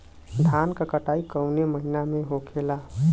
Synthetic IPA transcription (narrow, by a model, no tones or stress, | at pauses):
d̪ʱankəkəʈaikəwneməɦinameɦokʰela